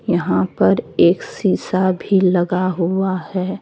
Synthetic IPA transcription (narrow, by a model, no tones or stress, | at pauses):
jɐɦãpɐɾeːksiːsabʱilɐɡaɦuahɛː